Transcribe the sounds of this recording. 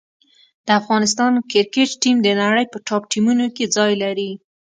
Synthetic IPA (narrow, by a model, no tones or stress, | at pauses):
d̪̥əafɣɑnɪs̬t̪ɑnkɪɾkeʈʈimd̪ənaɽəjpəʈɑp̚ʈimunoked͡zɑjlaɾi